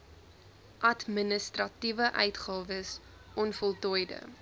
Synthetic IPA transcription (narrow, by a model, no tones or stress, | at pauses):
ʔɐtmənəstrɐtivəʔœɥtχɑːvəs | ʔɔnfɔlˠtɔjdə̰